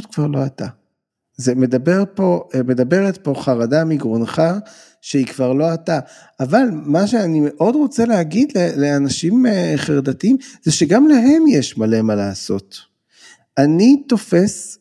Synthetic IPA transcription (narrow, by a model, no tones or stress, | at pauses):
tkv̥aʁlo̞ata | zeme̞d̪abe̞ʁpo̞me̞d̪abe̞ʁetpo̞χaʁadamiɡʁonχa | ʃeikvaʁlo̞ata | ʔavalmaʃeanime̞ʔo̞dʁo̞t͡seleaɡid̪leleanaʃimχeʁdatiimz̥eʃeɡamlaɦe̞mjeʃmale̞malaːso̞̰t | anit̪o̞fe̞s